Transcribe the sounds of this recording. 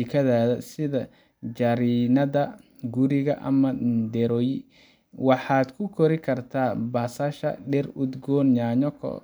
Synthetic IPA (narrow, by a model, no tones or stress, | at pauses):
ikʰɐðaːðɐsɪðɐ | d͡ʒɐɾiːnɐðɐ | ɡʊɾɪɣɐʔɐ̰mɐd̪ɛɾɔːji | wɑħɑːd̪kʰʊkʰɔɾɪkʰɐrt̪ʰaːbaːsaːʃɐ̰ɖɛrud̪ɡɔːnjaːɲɔkʰɔ̰